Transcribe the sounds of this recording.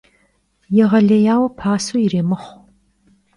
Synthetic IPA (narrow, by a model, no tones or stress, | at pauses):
jɛʁɐɮɐjaːwɐpʰaːsujɪreːmɨχʷ